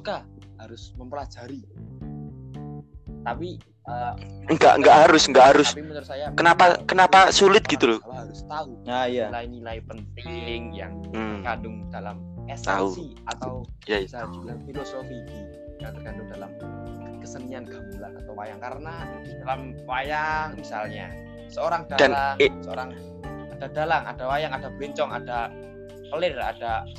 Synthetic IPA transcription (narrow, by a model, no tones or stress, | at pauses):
su̥ka | haɾʊsməmpəlad͡ʒaɾi | t̪api | əŋɡa̰ʔŋɡaʔɦaɾʊsŋɡaʔɦaɾʊsisajakənapakənapasulɪt̪̚ɡit̪ulʊlɦaɾʊst̪auajaajnilajpənt̪ɪŋja̰ŋ̩əkadʊŋd̥alam | ɛst̪a̰ui | at̪awjaitd͡ʒuafilosofii | aŋt̪ərkandʊŋdalam | kəsəniankamulakət̪owa̰jaŋkaɾəna | d̥alam | wajaŋmisa̰lɲa̰ | səoɾaŋdadanlaŋsəoɾaŋ | adadalaŋa̰dawajaŋadabɛɲt͡ʃɔŋada | pəlɪra̰da